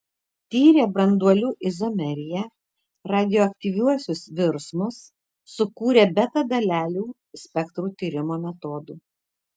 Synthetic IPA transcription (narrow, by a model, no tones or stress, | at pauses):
t̪ʲiːɾʲeːbɾɐnd̪uɔlʲuːʔɪzɔmʲɛɾʲɪjɛ | ɾɑːd̪ʲɪjoːɐkʲt̪ʲiːʋʲuɔsʲʊsʋʲɪɾsmʊsː | ʊkuːɾʲeːbʲɛt̪ɐd̪ɐlʲæːlʲuː | sʲpʲɛkt̪ɾuːt̪ʲiːɾʲɪmoːmʲɛt̪oːd̪uː